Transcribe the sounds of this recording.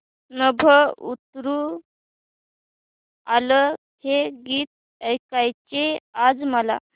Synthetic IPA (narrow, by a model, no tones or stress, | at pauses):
nəbʱəut̪ɾu | alə | heɡiːt̪̚ | əjkajt͡ɕead͡zməla̰